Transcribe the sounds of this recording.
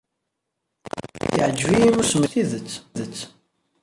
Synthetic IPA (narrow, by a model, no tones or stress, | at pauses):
iʕəd͡ʒːviimusməθiðət͡sːðət͡sː